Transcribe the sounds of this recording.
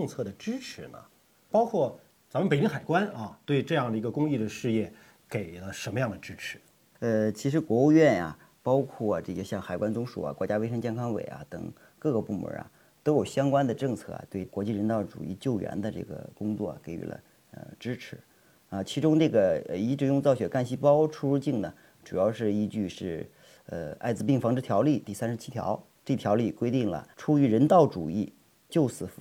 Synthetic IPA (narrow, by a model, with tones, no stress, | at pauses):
ɤ˥˧ŋt͡sʰɤ˥˩d̪ə˩ʈ͡ʂɻ̩˥ʈ͡ʂʰɻ̩˧˥nə̰˨ | pɑ˥ʊkʰwɔ˥˩ | t͡sa˧˥mə˩pe˨˩ɪni˥xa˨˩ɪkwa˥nɐ˧t̪we˥˧ɪʈ͡ʂɤ˥˧jɑ˥˩ŋd̪ə˩i˧˥ɡə˧kʊ˥ŋi˥˩d̪ə˩ʂɻ̩˥˧jɛ˥˩ | ke˨˩ɪlə˦ʂə˧˥nmə˧jɑ˥˩ŋd̪ə˩ʈ͡ʂɻ̩˥ʈ͡ʂʰɻ̩˧˥˦ | ə˧t͡ɕʰi˧˥ʂ̬ɻ̩˧˥kwɔ˧˥u˥˧ɥɛ˥˩nɐ̰˩ | pɑ˥ʊkʰwɔ˥˩a˩ʈ͡ʂɤ˥˩ɡə˨ɕjɑ˥˩ŋxa˨˩ɪkwa˥nt͡sʊ˥ŋʂṵ˨˩a̰˩kwɔ˧˥t͡ɕja˥we˥ɪʂ̬ɤ˥ŋt͡ɕjɛ˥˩nkʰɑ˥ŋwḛ˨˩ɪɐ̰˦t̪ɤ̰˨˩ŋ | kɤ˥˩ɡə˩pu˥˩mə̰˧˥ɐ̰˧ | t̪o˥ʊjo˨˩ʊɕjɑ˥ŋkwa˥nd̪ə˨ʈ͡ʂɤ˥˧ŋt͡sʰɤ̰˥˩a̰˨˩t̪we˥˩ɪkwɔ˧˥t͡ɕi˥˩ɻə˧˥nt̪ɑ˥˩ʊʈ͡ʂṵ˨˩i˥˧˩t͡ɕjo˥˩ʊɥɛ̰˧˥nd̪ə˧ʈ͡ʂɤ̰˥˩ɡə̰˩kʊ˥ŋt͡swɔ̰˥˩a̰˨˩ke˨˩ɪy̰˧˥lə̰˧ | ə̰˧ʈ͡ʂɻ̩˥ʈ͡ʂʰɻ̩˧˥ | ɐ˧t͡ɕʰi˧˥ʈ͡ʂʊ˥ŋʈ͡ʂɤ˥˩ɡə˩˧i˧˥ʈ͡ʂɻ̩˧˥jʊ˥˧ŋt͡sɑ˥˩ʊɕɥɛ˨˧˩ka˥˧nɕi˥pɑ˥ʊʈ͡ʂʰu˥ɻu˥˧t͡ɕi˥˩ŋnə˩ | ʈ͡ʂu˨˩jɑ˥˧ʊʂɻ̩˥˩i˧˥t͡ɕy˥˧ʂɻ̩˥˩ | ə̰˧a˥˩ɪd͡zɹ̩˧pi˥˩ŋfɑ˧˥ŋʈ͡ʂɻ̩˥t̪ʰjɑ˧˥ʊli˥˩t̪i˥˩sa˥nʂɻ̩˧˥t͡ɕʰi˥t̪ʰjɑ̰˧˥ʊ | ʈ͡ʂɤ˥˩i˧˩tʰjɑ˧˥ʊli˥˩kwe˥ɪt̪i˥˩ŋlə̰˩ʈ͡ʂʰu˥y˧˥ɻə˧˥nt̪ɑ˥˩ʊʈ͡ʂu˨˩i˥˩ | t͡ɕjo˥˩ʊsɹ̩˧˩f